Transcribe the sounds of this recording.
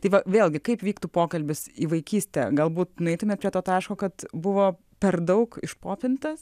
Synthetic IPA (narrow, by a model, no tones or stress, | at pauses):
t̪ɐɪʋɐʋʲeːlˠʲɡʲɪkɐɪpʋʲiːkt̪uːpoːkɐlʲbʲɪsiːʋɐɪkʲiːsʲt̪ʲɛ̰ɡɐlˠbuːt̪nʊɛɪt̪ʊmʲeːpʲɾʲiɛt̪oːt̪ːɐɪʃkoːkɐt̪bʊʋoː | pʲɛrd̪ɐʊkɪʃpoːpʲɪnt̪ɐs